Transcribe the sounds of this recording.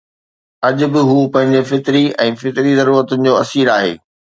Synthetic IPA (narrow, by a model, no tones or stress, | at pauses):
ɐʄʊbɪɦuːpɐ̃ɦɪ̃ɲd͡ʑɪ̆fɪt̪ɪɾiɛ̃ːfɪt̪ɾizɐɾuːɾət̪ʊnɪ̆d͡ʑoːɐsiːɾaːɦḛː